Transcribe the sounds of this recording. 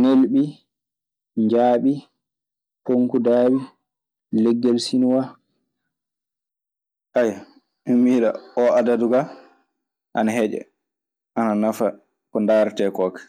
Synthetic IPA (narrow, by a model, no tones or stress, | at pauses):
nelɓi | ɲd͡ʒaːɓi | poŋkudaːwi | lɛɡːɛlsinuwa | ʔaja | ɛmiːɗa̰ɔadaduɡa | ʔa̰naɦɛd͡ʒɛ̰ | ʔananafa | kɔndaːɾtɛkɔːkɛ̥